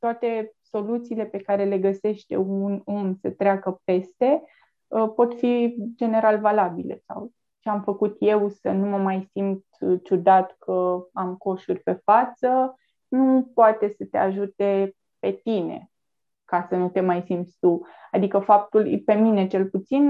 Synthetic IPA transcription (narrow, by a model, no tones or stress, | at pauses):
t̪oat̪e̞so̞lut̪siːle̞pe̞kaɾe̞le̞ɡəse̞ʃt̪e̞̰ununsət̪ɾeakəpe̞st̪e̞ | əpo̞t̪fid͡ʒe̞ne̞ɾalvalabile̞̰sa̰w | t͡ʃeamfəkut̪je̞wsənuməmajsint̪t͡ʃud̪at̪kʰəamko̞ʃurʲpe̞fat̪sə | nupoat̪e̞sət̪e̞aʒut̪e̞ | pe̞t̪inḛ | kasənut̪e̞majsimt̪st̪uad̪ikəfap̚t̪ulpe̞mine̞t͡ʃe̞lput̪sin